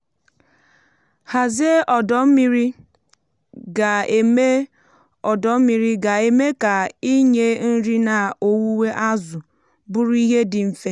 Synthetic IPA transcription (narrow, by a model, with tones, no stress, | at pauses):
ha˨ze˦ɔ˨dɔ˨˦m̩˦mi˦ɾi˦ | ɡa˨e˨me˦ | ɔ˨dɔ˨˦m̩˦mi˦ɾi˦ɡa˨e˨me˦ka˨i˦ɲe˦n̩˦ɾi˦na˨o˨wu˦we˦ʔa˦zʊ˨ | bʊ˦ɾu˦i˦ɦe˦dɪ˨m̩˨fe˦